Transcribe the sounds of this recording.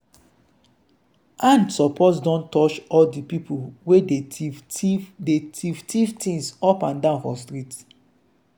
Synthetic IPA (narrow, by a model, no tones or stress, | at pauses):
ʔãndsɔpʰosdɔ̃ntːɔt͡ʃɔldipipʰuwede | detivtʰivtʰĩŋsɔpãndãʊ̃nhɔlstɹit